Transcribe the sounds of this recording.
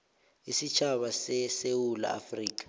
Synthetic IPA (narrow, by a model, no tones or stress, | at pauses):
isit͡ʃʰaɓasɛsewula̰a̰friːk̬ʼḁ